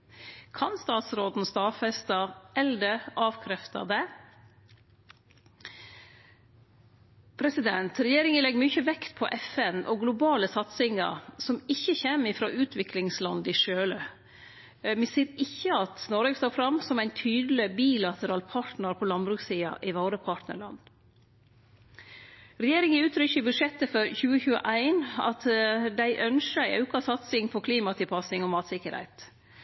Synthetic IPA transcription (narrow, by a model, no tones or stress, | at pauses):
kʰɑnst̪ɑːt̪sɾoːd̪n̩st̪ɑːfɛst̪ɑɛld̪əɑːʋkʰɾɛft̪ɑ̰d̪ɛ | pʰɾɛsɪd̪ɛnt̪ɾɛjeːɾɪŋənlɛɡːmyçəʋɛkt̪pʰɔ̰ʔɛfɛnʔɔɡlʊbɑːləsɑt̪sɪŋə̰ɾsɔmɪçːəçeːmɪfɾɑ̰ːʔʉːt̪ʰʋɪklɪŋslɑnd̪ɪʂøːlə | mɛsiːɾɪçːəɑt̪nɔɾʋeːɡst̪oːfɾɑmsɔmæɪnt̪ʰyːd̪l̩ɪbiːlɑt̪əɾɑːlpʰɑʈnəɾpʰɔlɑnbɾʉːksiːɑ̰ʔɪʋɑːɾəpʰɑʈnə̰ɭɑ̰nː | ɾɛjeːɾɪŋəʉːt̪ʰɾʏçəbʉʂɛt̪ːəfɔɾçʉːəçʉːə̰ʔæɪnɑ̰t̪d̪æɪʔœnʃəɑ̰ʉkɑsɑt̪sɪŋfʰɔkʰliːmɑt̪ʰɪlpʰɑsɪŋɔmɑːt̪sɪkəɾhæ̰ɪt̪